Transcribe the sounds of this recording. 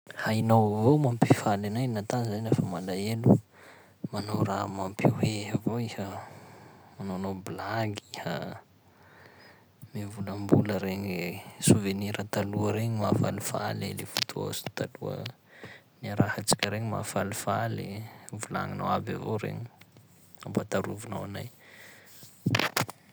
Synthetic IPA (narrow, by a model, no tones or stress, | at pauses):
hajnowvowmampifalanajnat̪anzaɲnafəmalaelu | manowramampʰiheɦavoihə | manonobilaɡihə | mevuləmbuləɾeɲesuveniɾʔət̪aluəɾeɲimafalifa̰lelefut̪ʰua̰si̥t̪aluə̰ | niaɾahat͡si̥kʲəɾeɲima̰falifalevula̰ŋina̰waba̰voɾḛɲi | ambat̪aɾuvuna̰wanaj